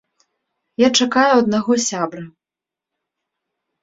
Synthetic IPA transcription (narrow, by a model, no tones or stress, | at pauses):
jat͡ʂakajuɐd̪̚naɣɔsʲabɾɐ